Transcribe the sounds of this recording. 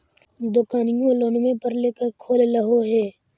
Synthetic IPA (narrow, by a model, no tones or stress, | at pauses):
d̪ʊkaːnɪjõloːnmẽpəɾleːkəɾkʰoːlləɦoɦɛː